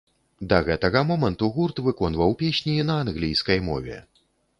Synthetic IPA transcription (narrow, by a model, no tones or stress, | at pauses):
d̪ɐɣɛt̪ɐɣɐmɔmɐnt̪uɣurt̪vɨkɔnvɐwpʲesʲnʲinɐanɣlʲijskɐjmɔ̰vʲɛ̰